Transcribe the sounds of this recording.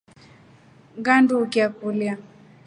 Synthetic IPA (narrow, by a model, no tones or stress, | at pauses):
ɡandukiakulja